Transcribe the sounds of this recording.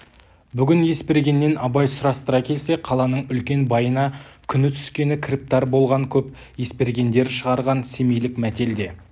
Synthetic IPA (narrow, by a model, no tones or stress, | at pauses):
bʏɡʲɪnje̞spe̞ɾɡʲe̞nːe̞nɑbɑjsʊɾɑst̪əɾɑkʲʰe̞lse̞qʰɑlˠɑnəɴʏlkʲe̞nbɑjənɑkʲʰʏnɪt̪ʰʏ̥skʲe̞nɪkʲʰrip̚t̪ɑɾbo̞lˠʁɑŋkʲʰɵp | je̞spe̞ɾɡʲe̞nd̪e̞ɾʃəʁɑɾʁɑnse̞mejlɪkmæt̪e̞ld̪e̞